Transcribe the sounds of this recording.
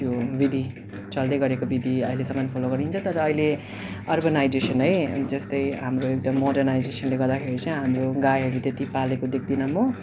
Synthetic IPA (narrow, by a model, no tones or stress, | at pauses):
tjobid̪ʱi | t͡sʌld̪ʌjɡʌɾekobid̪ʱiʌilesʌmʌnpʰoloɡʌɾint͡sʰʌt̪ʌɾʌːile | ʌrbʌnajd͡zesʌnʌjd͡zʌst̪ʌjɦamroek̚ʈʌmːoɖʌrnajd͡zesʌnleɡʌrd̪akʰeɾit͡sʌ̃ɦamroɡajɦʌɾut̪et̪ipalekod̪ekʰd̪inʌmo